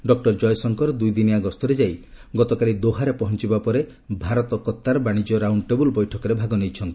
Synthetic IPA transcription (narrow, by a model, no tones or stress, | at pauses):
ɖɔk̚ʈɔɾd͡ʒɔjsɔŋkɔɾɔd̪ujd̪iniaɡɔst̪ɔɾed͡ʒajɡɔt̪ɔkaɭid̪oɦaɾepɔɦɔnt͡ʃibapɔɾe | bʱaɾɔt̪ɔkɔt̪ːaɾɔbaɽ̃id͡ʒɔɾawɳʈebulbɔjʈʰɔkɔɾebʱaɡɔnejt͡ʃʰɔnt̪i